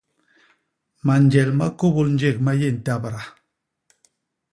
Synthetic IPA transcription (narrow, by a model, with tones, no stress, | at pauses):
ma˨nd͡ʒɛ˨lma̰˦ko˦bo˦ln̩˦d͡ʒe˦˨k̚ma˦je˦˨n̩˨ta˦˨bɾa˨